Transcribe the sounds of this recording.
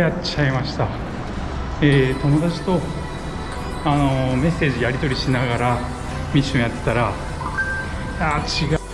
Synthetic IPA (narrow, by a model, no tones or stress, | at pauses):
jat͡ɕaimaɕi̥t̪a | eːt̪o̞mo̞d̪at͡ɕi̥t̪o̞ | ano̞me̞se̞ːʑd͡ʑijaɾʲit̪o̞ɾʲiɕinaɡaɾa | mʲiɕɨ̃jat̪ːe̥t̪aɾa | jat͡ɕiɡ